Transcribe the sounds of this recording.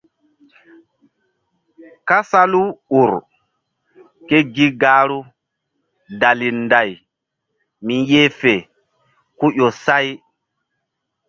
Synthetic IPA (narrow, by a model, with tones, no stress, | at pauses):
ka˦sa˦lu˦u˨ɾ | ke˦ɡi˦ɡaː˦ɾu˦ | da˨li˨nda˨j | mi˨nje˦fɛ˨ | ku˦ʔɔ˨sa˦j